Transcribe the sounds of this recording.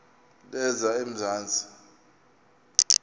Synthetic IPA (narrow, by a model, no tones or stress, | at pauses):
lɛzaem̩zaːnd͡zʱi̥